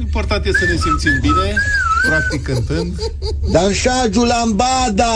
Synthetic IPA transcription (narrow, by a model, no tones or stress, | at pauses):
import̪ant̪jesənesimt̪simbine̞pɾak̚t̪ikːɨnt̪ɨnd̪ | d̪aɾʃad͡ʒulambad̪a